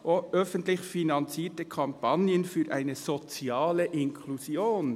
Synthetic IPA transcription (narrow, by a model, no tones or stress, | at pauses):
ʔoʔœfəntlɪçfinɑnt͡siːtəkʰɑmpʰɑnjənfyːɾʔa̰ɪnəzot͡sjɑːləʔɪnkʰluzjoːn